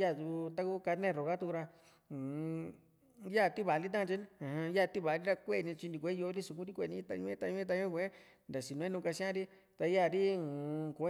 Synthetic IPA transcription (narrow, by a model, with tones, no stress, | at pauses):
ja˦˨ju˧t̪a˧ku˦ka˧nẽ˦˨ɾo˨ɣa˦t̪u˧ku˧ɾa˧˨ | ja˦˨t̪i˦βa˨li˦t̪̬ã˦˧t͡ʃi˧˦n˦˨hã˧ja˦˧˨t̪i˦βa˨˧ɾi˦ɾa˧kʷe˦˧˨nĩ˧t͡ʃi˧di˧kʷe˦jo˧˦ɾi˦su˧k̬ũ˦ɾi˦kʷe˧˨nĩ˧˦t̪a˧ɲũ˧˦ẽ˦t̪a˧ɲũ˧˦ẽ˦t̪a˧ɲõ˦kʷẽ˦ | nd̪a˨si˧nũ˧ẽ˦nũ˧ka˧sã˦ɾi˦ | t̪a˧ja˦˧˨ɾi˦˨˧kʷ